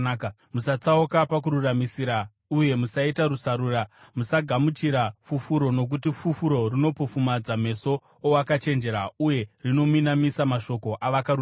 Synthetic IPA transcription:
musat͡saukapakuɾuramisiɾa | uje̞musaitarusaɾuːramusaɡʱamut͡ʃiɾafufuɾo̞no̞k̬ut̬ifufuɾo̞rino̞pofumad͡zam̤e̞so̞ː | wakat͡ʃe̞nd͡ʒe̞ɾauje̞rino̞minamisamaʃo̞ko̞ʔaʋakau

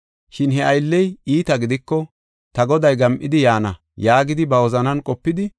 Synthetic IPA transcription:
ʃɪnɦɛʔɐjlːɛjiːt̪ɐɡɪd̪ɪkːɔ | t̪ɐɡɔd̪ɐjɡɐmʔɪd̪ɪjaːnɐ | jaːɡɪd̪ɪbɐwɔzɐnɐnkʼɔpːɪd̪ɪ

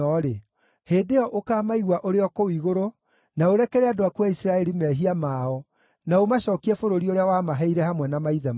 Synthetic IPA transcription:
ɔɾe | heːdeɔʔokaːmaiɣwaʔoɾeɔkowiɣoɾo | naoɾɛkɛɾɛadoakwaisɾaɛɾimɛɦiamaɔ | naomaɕɔːkiɛfoɾoɾioɾeawamaɦɛiɾɛhamwɛnamaiðɛm

